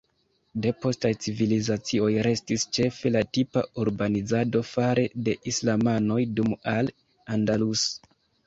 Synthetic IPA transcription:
de̞po̞stajt͡sivilizat͡sio̞jɾe̞stist͡ʃe̞fe̞latipauɾbanizado̞faɾe̞de̞ʔislamano̞jdumal | andalus

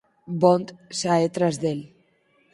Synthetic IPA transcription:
bɔnt̪saet̪ɾazðel

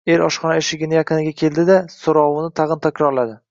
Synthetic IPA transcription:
e̞ɾɒʃχɒnaeʃɪɡʲɪnɪjaqɨnɪɡʲakʲʰe̞ld̪ɪd̪asoɾɒwɪnɪt̪ʰɑʁɨnt̪ʰakʲɾɒɾlad̪ɪ

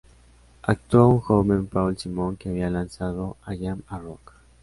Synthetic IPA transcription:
ak̚t̪uauŋxoβempawlsimoŋkeaβialansaðoajamarok

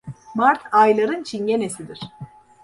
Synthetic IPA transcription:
maɾt̪ʰajlˠaɾɯnt͡ʃʰinɟenesid̪iɾ̝̥

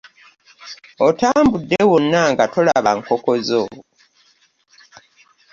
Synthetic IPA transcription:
otaːmbudːewonːaŋɡato̞laβaŋkoko̞zo̰

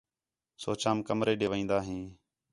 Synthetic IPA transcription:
soːt͡ʃaːmkəmɾeːɗeːʋĩːnd̪aːɦĩː

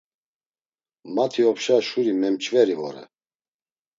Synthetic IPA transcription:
mat̪ʰiɔpʃaʃuɾimɛmt͡ʃʼvɛɾivɔ̰ɾɛ̰

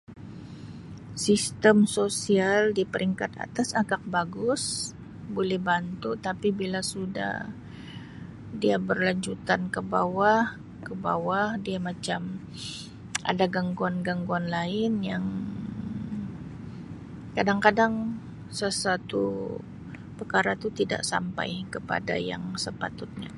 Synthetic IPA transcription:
sist̪əmsosialdipəɾiŋkat̪a̰t̪asakak̚baɡʊs | bolɛhbant̪ut̪apibilasuda̰h | diabərlaɲd͡ʒut̪ankəbawah | kəba̰wahdiamat͡ʃam | ʔa̰daɡaŋɡuanɡaŋɡuanlaɪnjaŋ | kadaŋkadaŋ | səsat̪ṵ | pərkaɾat̪ut̪ida̰ʔsa̰mpa̰jkəpa̰da̰ja̰ŋsəpa̰t̪ʊt̪̚ɲa̰

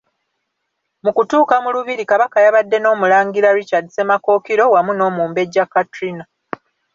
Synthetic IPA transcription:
mukutuːkamuluβiɾikaβakajaβadːe̞no̞ːmulaːŋɡiɾaɾicadise̞mako̞ːkiɾo̞wamuno̞ːmuːmbe̞ɟːakːatɾina

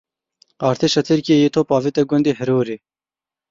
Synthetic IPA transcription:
ɑːɾt̪iʃɐt̪ʰiɾkiejit̪ʰopɑːvit̪ɐɡʊnd̪iɦɪɾuːɾi

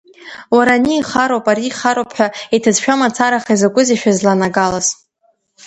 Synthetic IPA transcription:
waɾaniːχaɾowpʼaɾiːχaɾopʰħʷᶣaitʰazʃᶣamat͡sʰaɾaχaizakʷʼʊziʃᶣazlanaɡalaz

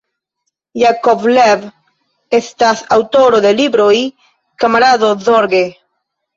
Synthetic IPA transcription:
jakoblɛβ | est̪aθawt̪oɾoðelibɾoi | kamaɾaðoðoɾɡe

